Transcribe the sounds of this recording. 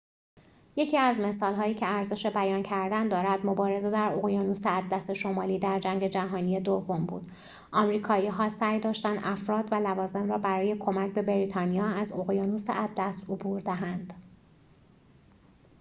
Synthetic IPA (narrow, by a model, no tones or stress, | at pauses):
je̞cʰiːæzme̞sɒːlɦɒːjiːcʰe̞æɾze̞ʃe̞bæjɒːncʰæɾd̪ænd̪ɒːɾæd̪mo̞bɒːɾe̞zed̪æɾo̞ɣjɒːnuseæd̪ːæse̞ʃo̞mɒːliːd̪æɾd͡ʒæŋɟe̞d͡ʒæɦɒːnijed̪ovombṵːd̪̥ | ʔɒmɾiːkʰɒːiːɦɒːsæːjd̪ɒːʃt̪ænd̪ʔæfɾɒːd̪vælævɒːze̞mɾɒːbæɾɒːje̞kʰo̞mæcʰbe̞beɾiːt̪ʰɒːnijɒːæzo̞ɣjɒːnusḛʔæd̪ːæst̪obuːɾd̪æɦænd̪̥